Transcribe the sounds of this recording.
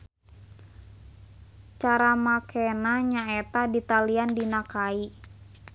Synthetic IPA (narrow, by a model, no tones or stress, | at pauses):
t͡ʃaɾamakʰɛnaɲaɛt̪adit̪aliandinakai